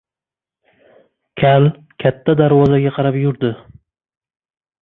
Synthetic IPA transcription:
kʲʰal | kʲʰat̪ʰːad̪aɾwɒzaɡʲaqʰɑɾapjʊɾd̪ɪ

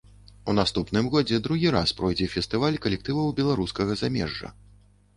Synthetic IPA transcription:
unast̪upnɨmɣɔd͡zʲɛd̪ɾuɣʲiɾaspɾɔjd͡zʲɛfʲɛst̪ɨvalʲkɐlʲɛk̚t̪ɨvɐwbʲɛlˠaɾuskɐɣɐzamʲɛ̰ʐːɐ̰

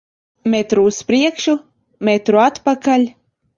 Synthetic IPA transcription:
met̪ɾuːspɾiɛkʃu | met̪ɾuat̪pakalʲ

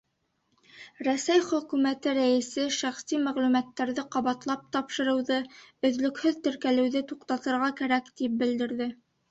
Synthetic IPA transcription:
ɾæsæjχɵ̆kʉmæt̪ɘɾæjɘ̆sɘʃæχsimæʁlʉmæt̪ːæɾðɘqɑβɑt̪lˠɑp̚t̪ɑpʃɤ̆ɾɤ̆wðɤɵ̆ðlɵ̆khɵðt̪ɵ̆ɾkælɘ̆wðɘt̪uqt̪ɑt̪ɤ̆ɾʁɑkæɾækt̪ip̚bɘ̆ld̪ɘ̆ɾðɘ

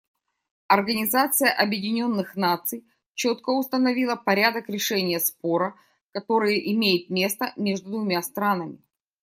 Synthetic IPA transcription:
ɐrɡənʲɪzat̪sɨjəʔɐbjɪdʲɪnʲo̞nːɨxnat̪sɨj | t͡ɕo̞t̪kəʊst̪ənɐvʲilˠəpɐɾʲad̪əkɾʲɪʂɛnʲɪjəspo̞ɾə | kɐt̪o̞ɾɨjəʔɪmʲejɪt̪̚mʲe̞st̪əmʲeʐd̪ʊd̪vʊmʲast̪ɾanəmʲɪ

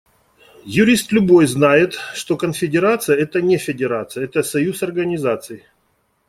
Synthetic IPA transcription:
jʊɾʲist̪lʲʊbo̞jznajɪt̪ʂt̪o̞kənfʲɪdʲɪɾat̪sɨjəɛt̪ənʲɪfʲɪdʲɪɾat̪sɨjɛt̪əsɐjusɐrɡənʲɪzat̪sɨjɪ

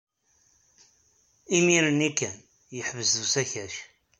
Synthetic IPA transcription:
imiɾənikːæn | jəħvəzðusæçæʃ

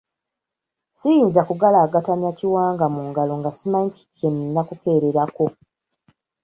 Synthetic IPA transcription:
sijiːnzakuɡalaːɡatamjaciwaːŋɡamuːŋɡalo̞ŋɡasimaɲci̥cenːakuke̞ːɾeɾako̞

